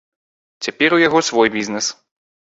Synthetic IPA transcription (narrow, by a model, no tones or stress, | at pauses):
t͡sʲapʲɛɾujaɣɔsvɔjbʲiznɛs